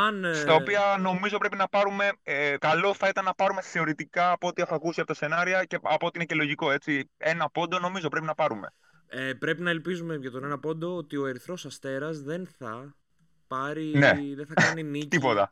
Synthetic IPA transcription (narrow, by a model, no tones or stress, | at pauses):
ɐnst̪ɐopiɐno̞mizo̞pɾepinɐpɐɾume̞ekɐlo̞θɐit̪ɐnːɐpɐɾume̞θe̞o̞ɾit̪ikɐːpoot̪iɐθɐkusiɐpo̞t̪ɐse̞nɐɾiɐceɐpo̞ot̪iinece̞lo̞ʝiko̞e̞t͡sie̞nɐpo̞nd̪o̞no̞mizo̞pɾe̞pinɐpɐɾume̞̰ | epɾe̞pinɐelpizumeʝɐt̪onenɐpo̞nd̪o̞ot̪io̞eɾiθɾo̞sɐst̪e̞ɾɐzðe̞nθɐ | pɐɾineðenθɐɐnimit̪ipot̪ɐ̰